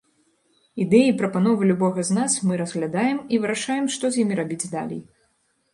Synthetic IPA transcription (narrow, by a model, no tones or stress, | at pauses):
id̪ɛjipɾɐpanɔvɨlʲubɔɣɐznasmɨɾɐzɣlʲad̪ajɛmivɨɾaʂajɛmʂt̪ɔzʲjimʲiɾabʲid͡zʲd̪a̰lʲɛ̰j